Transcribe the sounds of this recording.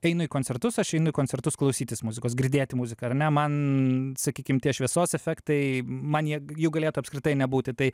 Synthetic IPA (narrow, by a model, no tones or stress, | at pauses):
ɛɪnʊiːkoːnʲt͡s̪ʲɛrt̪ʊsɐʃɛɪnʊiːkoːnʲt͡sʲɛrt̪ʊsklˠɒʊsʲiːt̪ʲɪsmʊzʲɪkoːs̬ɡɾʲd̪ʲeːt̪ʲɪmuzʲɪkɐɐrnʲɛmɐnsɐkʲiːkʲɪmt̪ʲiɛʃʲʋʲiɛsoːsɛfʲɛkt̪ɐɪmɐnjiɛjɛʊɡɐlʲeːt̪ʊɐpskɾʲɪt̪ɐɪnʲɛbuːt̪ʲɪt̪ɐɪ